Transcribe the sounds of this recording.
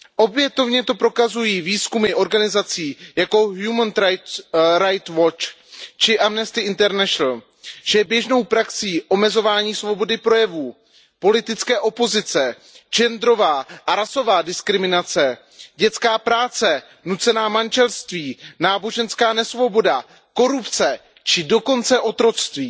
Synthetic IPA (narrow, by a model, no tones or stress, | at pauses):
ʔo̞bjɛt̪o̞vɲɛt̪o̞pɾo̞kazujiːviːskumɪʔo̞ɾɡanɪzat͡siːjako̞ɦjumən | ɾajt̪vot͡ʃ | t͡ʃɪʔamnɛst̪ɪɪnt̪ɛɾnɛʃnl̩ | ʒ̥ɛjɛbjɛʒno̞wpɾaksiːʔo̞mɛzo̞vaːɲiːsvo̞bo̞dɪpɾo̞jɛvuː | po̞lɪt̪ɪt͡skɛːʔo̞po̞zɪt͡sɛ | d͡ʒɛnd̪ɾo̞vaːʔaɾaso̞vaːdɪskɾɪmɪnat͡sɛ | ɟɛt͡skaːpɾaːt͡sɛ | nut͡sɛnaːmanʒɛlst̪viːnaːbo̞ʒɛnskaːnɛsvo̞bo̞da | ko̞ɾupt͡sɛ | t͡ʃɪdo̞ko̞nt͡sɛʔo̞t̪ɾo̞t͡st̪viː